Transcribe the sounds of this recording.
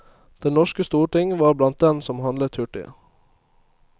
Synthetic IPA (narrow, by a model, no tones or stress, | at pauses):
d̪̥ɛnnɔʃkəst̪uːʈɪŋʋɑːɾblɑnt̪̚d̪ɛnsɔmhɑnlət̪ʰʉʈɪ̰ə̰